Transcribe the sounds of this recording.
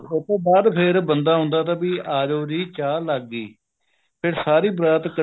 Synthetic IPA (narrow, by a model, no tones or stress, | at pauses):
ʊt̪õːbaːd̪pʰɪɾbənd̪aːɦʊ̃ːnd̪aːt̪aːbiːaːd͡ʒoːɾiːt͡ʃaːlaɡːiː | pʰɪɾsaːɾiːbɾaːt̪kə